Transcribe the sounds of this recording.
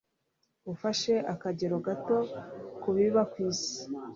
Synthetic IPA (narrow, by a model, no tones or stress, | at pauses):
ufaʃe̞ʔakaɟeɾo̞ɡato̞kuβiβakwiːsi̥